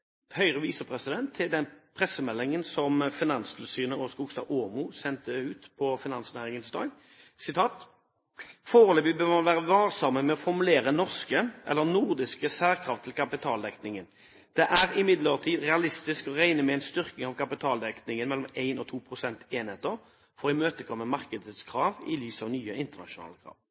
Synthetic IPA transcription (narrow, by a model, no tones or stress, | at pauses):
hœʏʁəʋiːsəpʰʁɛsɪd̪ɛnt̪ʰːɪld̪ɛnpʰʁɛsəmɛlːɪŋənsɔmfɪnɑnsd̪əl̩syːnəɔskuːɡst̪ɑ̰ːʔoːmʊsɛnt̪əʉːt̪pʰɔfɪnɑnsnæːʁɪŋənsd̪ɑ̰ːɡ | sɪt̪ʰɑːt̪ | foːʁəløːbɪbøːʁmɑnʋæːʁəʋɑːʁsɑmːəmɛɔfɔʁmʉleːʁənɔʁskəʔɛ̰lːəʁnuʁd̪ɪskəsæːʁkʰʁɑːft̪ʰːɪlkʰɑpɪt̪ʰɑːld̪ɛknɪŋən | d̪̥ɛʔæʁɪmɪd̪ləʁt̪ʰiːd̪ʁɛɑlɪst̪ɪskɔʁæɪnəmɛæɪnst̪ʏʁknɪŋɑʋkʰɑpɪt̪ʰɑːld̪ɛknɪŋənmɛlːɔmæɪnɔt̪ʰuːpʰʁʊsɛnt̪eːnheːt̪əʁ | fɔʁɪmøːt̪əkʰɔmːəmɑʁkəd̪ət̪skʰʁɑːʋɪ̰lyːsɑʋnyːəɪnt̪əʁnɑ̰ʃʊnɑ̰ːləkʰʁɑ̰ːʋ